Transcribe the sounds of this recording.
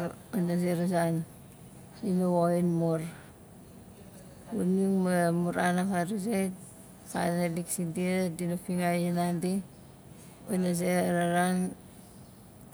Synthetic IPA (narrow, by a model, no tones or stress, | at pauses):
onazeɾazan | inawoinmoɾ | uniŋmamuɾanakaɾazet | kanaliksindiadinapiŋajinandi | onazeɾaɾan